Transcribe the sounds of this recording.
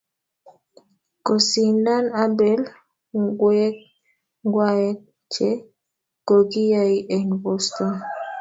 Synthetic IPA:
ko˨si˨na˦na˦bɛ˨l | ɡwɛ˦k̚ | ŋɡwa˦jɛ˦ | t͡ʃɛ˦ | ko˨ɡi˦ja˨iʔɛ˨nbɔ˦sto˨n

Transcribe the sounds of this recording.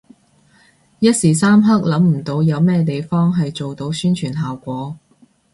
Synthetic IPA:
jɐ˥t̚siː˨˩saː˥mɦɐ˥k̚lɐ˨˥mm̩˨˩t̪o˧wjɐ˨˧wmɛː˥t̪e˨jfɔː˥ŋɦɐ˨jt͡so˨wt̪o˨˧wsyː˥nt͡ʃʰyː˨˩nɦaː˨wkʷɔː˨˥

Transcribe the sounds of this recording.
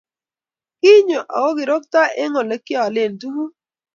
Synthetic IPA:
ki˦ɲo˨ʔa̰˨wo˦ɡɪ˨ɾo˦k̚ta˦ʔe˦ŋo˨le˦kɪ˦ɔ˨le˨ndu˦ku˦

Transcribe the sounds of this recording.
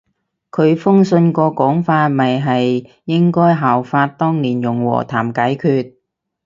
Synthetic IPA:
kʰɵ˨˧ɥfʊ˥ŋsɵ˧nkɔː˧kɔː˨˥ŋfaː˧t̚mɐ˨jɦɐ˨j | jɪ˥ŋkɔː˥jɦaː˨˩wfaː˧t̚t̪ɔː˥ŋniː˨˩njʊ˨˩ŋwɔ̰ː˨˩t̪ʰaː˨˩mkaː˨˥jkʰyː˧t̚

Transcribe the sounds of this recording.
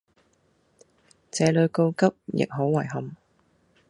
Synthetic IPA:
t͡sɛː˨˧lɵ˨˧ɥko˧wkɐ˥p̚jɪ̰˨k̚ɦo˨˥wwɐ˨˩jɦɐ˨˩m

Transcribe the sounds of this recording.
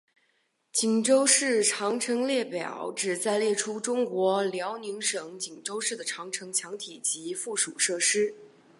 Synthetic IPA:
t͡ɕi˨˩ŋʈ͡ʂo˥ʊʂɻ̩˥˩ʈ͡ʂʰɑ˧˥ŋʈ͡ʂʰɤ˧˥ŋljɛ˥˩pjɑ̰˨˩˦ʊʈ͡ʂɻ̩˨˩t͡sa˥˧ɪljɛ˥˩ʈ͡ʂʰu˥ʈ͡ʂʊ˥ŋkwɔ˧˥ljɑ˧˥ʊni˧˥ŋʂɤ˨˧˩ŋt͡ɕi˨˩ŋʈ͡ʂo˥ʊʂɻ̩˥˩d̪ə˩ʈ͡ʂʰɑ˧˥ŋʈ͡ʂʰɤ˧˥ŋt͡ɕʰjɑ˧˥ŋt̪ʰi˨˩t͡ɕi˧˥fu˥˩ʂṵ˨˩ʂɤ˥˩ʂɻ̩˥

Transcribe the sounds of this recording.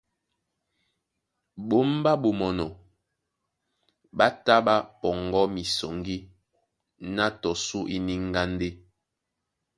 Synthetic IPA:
ɓo˦m˦ba˦ɓo˨mɔ˨nɔ˨ | ɓa˦ta˦ɓa˦pɔ˨ŋɡɔ˦mi˨sɔ˨ŋɡi˦ | na˦tɔ˨su˦ʔi˦ni˦ŋ˦ɡa˦n˦de˦

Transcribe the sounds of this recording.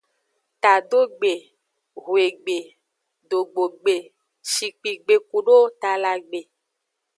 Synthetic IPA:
t̪a˨ɖo˦ɡ͡be˨ | ɣwe˨ɡ͡be˨ | ɖo˨ɡ͡bo˨ɡ͡be˨ | ʃi˨k͡pi˨ɡ͡be˨ku˨ɖo˦t̪a˨la˨ɡ͡be˨

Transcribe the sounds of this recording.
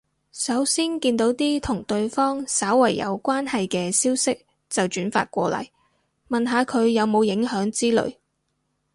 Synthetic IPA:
sɐ˨˥wsiː˥nkiː˧nt̪o˨˥wt̪iː˥t̪ʰʊ˨˩ŋt̪ɵ˧ɥfɔː˥ŋsaː˨˥wwɐ˨˩jːɐ̰˨˧wkʷaː˥nhɐ˨jkɛː˧siː˥wsɪ˥k̚ | t͡sɐ˨wt͡ʃyː˨˥nfa̰ː˧t̚kʷɔː˧lɐ̰˨˩j | mɐ˨nɦaː˨˧kʰɵ˨˧ɥjɐ˨˧wmo˨˧wjɪ˨˥ŋɦœː˨˥ŋt͡siː˥lɵ̰˨˧ɥ

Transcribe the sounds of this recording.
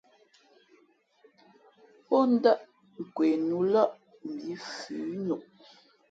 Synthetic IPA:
pɔ˦n̩˦da˦ʔ | ŋ̩˨kwe˨nu˨˦la˦ʔ | m̩˨bi˨˦fʉ˨˦nu˨ʔ

